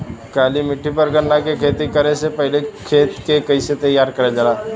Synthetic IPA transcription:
kalimiʈʰːipəɾɡəɳnakekʰet̪ikəɾesepəɦilekʰet̪kekəjset̪əjaɾkəɾad͡zala

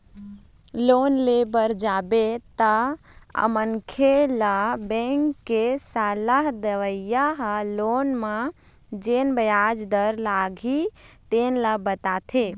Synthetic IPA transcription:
loːnlebəɾd͡ʒaːbet̪əə̰mənkʰelabɛ̃ːŋkːesaːlaɦd̪əʋəjaɦəloːnmã | d͡ʒeːnbəjaːd͡ʒd̪əɾlaːɡʱit̪eːnləbət̪aːt̪ʰe

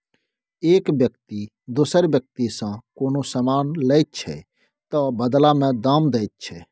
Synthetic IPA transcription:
eːkbjək̚t̪i | d̪ʊsəɾbjək̚t̪isãkoːnosəmaːnlɛɪt̪̚t͡ʃʰɛ̰ | t̪əbəd̪lamẽd̪aːmd̪eɪt̪̚t͡ʃʰɛ

